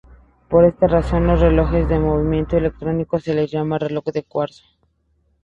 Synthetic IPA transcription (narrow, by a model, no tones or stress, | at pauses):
po̞ɾe̞st̪araso̞nlo̞sre̞lo̞xe̞zðe̞mo̞β̞imje̞nt̪oele̞k̚t̪ɾo̞niko̞se̞lezʝamarelo̞kd̪e̞kwaɾt̪o̥